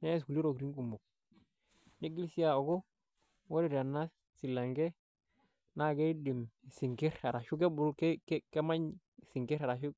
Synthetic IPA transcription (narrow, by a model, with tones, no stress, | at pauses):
ne˦skuli˦ɾo˨ɡɾi˦ŋɡu˨mo˨k̚ | ne˦ɡi˦lsi˦a˨o˨ɡo˦ | wo˦ɾi˦ɾa˨nːa˦ | si˨la˨ŋɡe˦ | na˦ɡe˦di˨m˨si˨ŋki˦ɾa˨ɾa˨ʃu˦k̬e˦bu˦lke˦kke˦ma˦ɲ˨ | si˨ŋki˦ɾa˨ɾa˨ʃu˦k